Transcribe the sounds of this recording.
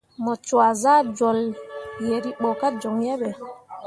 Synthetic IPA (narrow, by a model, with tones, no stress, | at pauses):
mɔ˨t͡ʃwa˨za˦d͡ʒɔ˨lje˨ɾi˦ɓɔ˨ka˦d͡ʒɔ˨ŋjɛ˦ɓɛ˨